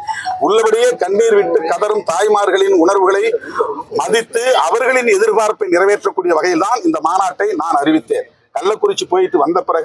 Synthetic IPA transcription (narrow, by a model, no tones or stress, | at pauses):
ʊɭːɐʋɐɽɪjɐkɐɳmiːɾʋɪʈːɯkːɐðɐɾɯmt̪aːjmaːɾɣɐɭɪnʊɳɐɾʋɯɣɐɭɐɪmɐðɪt̪ːɯɐʋɐɾɣɐɭɪnɛðɪɾbaːɾpːɐɪnɪrɐʋeːʈrɐkːuːɽɪjɐʋɐɣɐjɪlt̪aːnɪnd̪ɐmaːnaːʈːɐɪnaːnɐrɪʋɪt̪ːeːn | kɐlːɐkːʊɾɪt͡ʃːɯpoːjɪʈːɯʋɐnd̪ɐpːɪrɐɣɯ